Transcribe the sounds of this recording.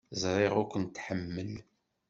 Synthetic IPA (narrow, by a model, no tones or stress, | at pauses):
zˤɾˤeʁʊkʷːənt̪ːħəmːəl